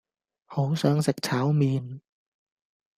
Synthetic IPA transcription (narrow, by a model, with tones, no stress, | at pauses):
hoː˨˦wsɔː˧ŋsa˨˩k̚t͡ɕʰaː˩˦wmiː˧n